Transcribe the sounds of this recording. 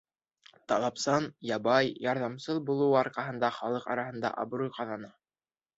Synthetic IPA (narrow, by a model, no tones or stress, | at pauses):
t̪ɑlˠɑpsɑnjɑbɑjjɑɾðɑmsɤðbulˠɤwɑɾqɑɦɤ̆nd̪ɑχɑlˠɤqɑ̰ɾɑhɤ̆nd̪ɑ̰ʔɑ̰bɾujqɑðɑnɑ